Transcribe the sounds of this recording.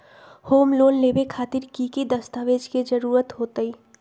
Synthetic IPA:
hoːmloːnleːbekʰaːt̪ɪɾkiːkid̪əst̪aːʋeːd͡ʒked͡ʒəɾuːɾət̪ɦoːt̪əiː

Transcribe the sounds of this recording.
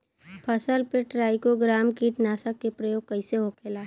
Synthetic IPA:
pʰəsəlpeʈɾaːɪkoɡɾaːmkiʈnaːsəkːepɾəjoːɡ̚kəɪseɦokʰeːlaː

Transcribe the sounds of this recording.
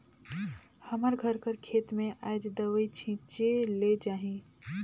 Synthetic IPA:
həməɾɡʱəɾkəɾkʰeːt̪mẽʔaːd͡ʒd̪əʋəit͡ʃʰĩːt͡ʃeled͡ʒaːɦĩː

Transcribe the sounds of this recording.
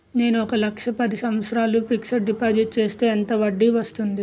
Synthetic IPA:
ne̞ːnuɔkɐlɐkʂɐpɐd̪isɐmɐt̪sɾaːlupiksɐʈ̚ɖipaːɾd͡ʒiʈ̚t͡ʃe̞ːst̪e̞ːɐnt̪ɐʋɐɖːiʋɐst̪und̪i

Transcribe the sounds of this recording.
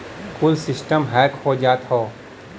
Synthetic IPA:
kʰʊlsɪsʈəmɦɛːkhod͡ʒaːt̪hoː

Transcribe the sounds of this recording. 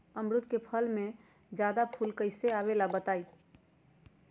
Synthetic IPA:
əmɾʊt̪kepʰəlmẽ | d͡ʒjad̪apʰulkəɪseabelabət̪aːi

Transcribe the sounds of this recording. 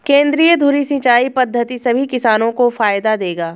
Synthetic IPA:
kẽːnd̪ɾijəd̪ʱuːɾisɪ̃ːt͡ʃaːipɐd̪ʱːət̪isɐbʱikɪsaːnõkofaːjd̪ad̪eːɡaː

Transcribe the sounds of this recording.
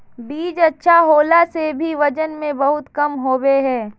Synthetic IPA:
biːd͡ʒɐtːʃʰaɦoːlasebʱiʋɐd͡ʒənmẽbɐɦʊt̪kɐmɦoːweɦɛ̃ː

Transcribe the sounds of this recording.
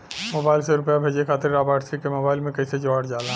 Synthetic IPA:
moːbaːɪlseɾʊpjabʱeːd͡ʒekʰaːt̪ɪɾːaːbaːʈsɾikemoːbaːɪlmẽkɐised͡ʒaːɽd͡ʒaːlã

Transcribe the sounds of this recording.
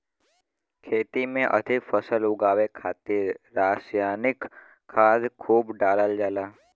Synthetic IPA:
kʰeːt̪imẽʔɐ̰d̪ʱɪkfəsəlʊɡaːʋekʰaːt̪iɾɾaːsjaːnɪk | kʰːaːd̪kʰuːbɖaːləld͡ʒaːlaː

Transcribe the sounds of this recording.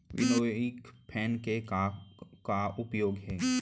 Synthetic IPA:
ʋɪ̰noːɪkpʰɛːnkeakaʊpjoːɡɦɛː

